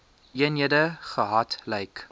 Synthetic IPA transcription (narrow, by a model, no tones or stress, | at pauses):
ʔiəniədəχəɦɐtlɛjk